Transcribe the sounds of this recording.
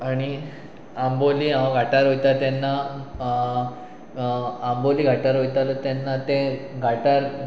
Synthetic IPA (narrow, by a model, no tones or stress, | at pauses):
aɽ̃i | amboliːãʋəɡʱaʈaɾɦojt̪at̪anːa | mboliːɡʱaʈaɾɦojt̪alt̪janːat̪eɡʱaʈaɾ